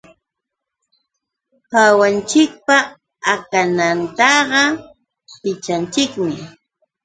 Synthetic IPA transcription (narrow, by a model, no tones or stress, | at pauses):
hawant͡ʃɪk̚pa | akanant̪ɑɢɑ | pɪt͡ʃant͡ʃɪkmɪ